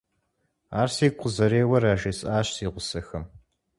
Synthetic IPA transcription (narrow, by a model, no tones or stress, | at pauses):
aːrsiːqʷʰʊzɐɾeːwɐraːʒeːsʼaːɕsiːʁʷʊsɐxɐm